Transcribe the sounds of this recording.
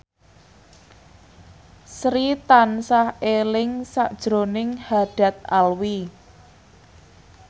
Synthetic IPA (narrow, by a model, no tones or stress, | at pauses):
sɾit̪ansahelɪŋsaʔd̥ʒ̥ɾonɪŋhaɖ̥a̤t̪̚alwi